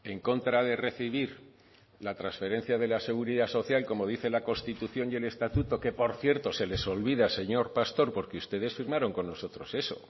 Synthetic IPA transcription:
e̞ŋko̞nt̪ɾaðe̞re̞θiβiɾ | lat̪ɾansfe̞ɾe̞n̟θjaðe̞lase̞ɣ̞uɾiðaso̞θjalko̞mo̞ð̞iθe̞lako̞nst̪it̪uθjo̞nje̞le̞st̪at̪ut̪o̞ke̞po̞ɾθje̞ɾt̪o̞se̞le̞so̞lβiðase̞ɲo̞ɾpast̪o̞ɾpo̞ɾkeust̪e̞ðe̞sfiɾmaɾo̞ŋko̞nːo̞so̞t̪ɾo̞se̞so̞̰

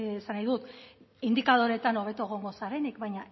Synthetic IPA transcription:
sanajðut̪ | ind̪ikað̞o̞ɾe̞t̪ano̞β̞e̞t̪ueɣ̞o̞ŋɡo̞saɾe̞nikbajɲa

